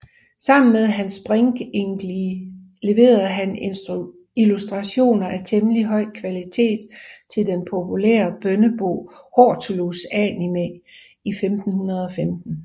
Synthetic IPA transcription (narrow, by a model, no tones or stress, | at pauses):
sɑ̈m̰n̩með̞ˠɦænsb̥ʁeŋɡ̥eŋɡ̥li | le̝ʋe̝̰ːɐð̩ˠɦæn | ilusd̥ʁɑ̈ɕo̝̰ːnɐʔæt͡sʰeməliɦɒ̽ɪ̰kʰʋælit͡sʰe̝̰ːd̥t͡sʰe̝ld̥enpʰo̝pʰulɛ̰ːɐb̥œnəb̥o̝̰ːhɒt͡sʰolusænime | ifemd̥n̩hunɐðˠɒ̽femd̥n̩